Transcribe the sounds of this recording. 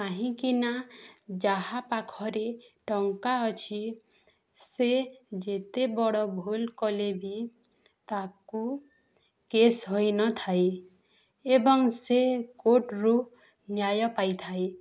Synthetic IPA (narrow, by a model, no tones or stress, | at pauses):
aɦĩkinad͡ʒaɦapakʰɔɾeʈɔŋkaɔt͡ʃʰi | sed͡ʒet̪ebɔɽɔbʱulkɔlebi | t̪aku | kesɦojnɔt̪ʰae | ebɔŋsekoʈɾu | njajɔpajt̪ʰae